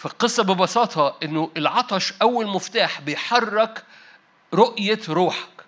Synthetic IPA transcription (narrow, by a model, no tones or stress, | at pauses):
fiqɨsˤːɑbɪbɑsɑːt̪ˤʰɑʔɪnːʊʔɪlʕɑt̪ˤɑʃʔæwːælmʊft̪aːħbɪjħɑrˤːɑk | ɾoʔjaɾuːħḁk